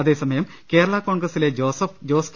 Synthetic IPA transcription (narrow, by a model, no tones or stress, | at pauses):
ɐðe̞ːsɐmɐjɐm | ke̞ːɾɐɭɐko̞ːɳɡrɐsile̞osɐfd͡ʑo̞ːsk